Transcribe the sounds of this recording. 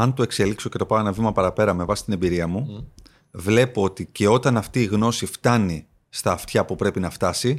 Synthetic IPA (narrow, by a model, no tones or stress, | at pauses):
ɐnt̪ue̞kse̞likso̞ce̞t̪o̞pɐoenɐvimɐpɐɾɐpe̞ɾɐme̞vɐsi̥t̪ine̞mbiɾiɐmu | vle̞po̞ot̪ice̞o̞t̪ɐnɐft̪iːɣno̞sift̪ɐni | st̪ɐːft̪çɐpupɾe̞pinɐft̪ɐsi